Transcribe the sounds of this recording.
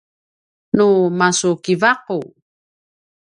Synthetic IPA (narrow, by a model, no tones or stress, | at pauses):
numasukivaqu